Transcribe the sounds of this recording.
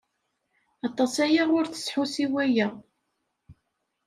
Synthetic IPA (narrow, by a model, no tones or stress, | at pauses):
ɑt̪ˤːɑsæjaʁʊɾθə̥sħusiwæjæ